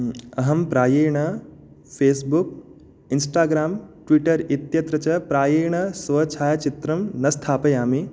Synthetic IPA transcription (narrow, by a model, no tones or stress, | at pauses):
ɐɦɐmpɾaːjeːjɳɐ | pʰeːsbuk̚ | insʈaːɡɾaːmʈʋiʈɐɾit̪jɐt̪ɾɐt͡ʃɐpɾaːjeːjɳɐsʋɐt͡ʃʰaːjɐt͡ʃit̪ɾɐmnɐst̪ʰaːpɐjaːmi